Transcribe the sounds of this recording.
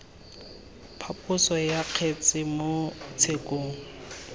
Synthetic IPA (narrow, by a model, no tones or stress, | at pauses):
pʰapʰʼʊsɔjaq͡χʰet͡sʼɪmot͡sʰekʼoːŋ̩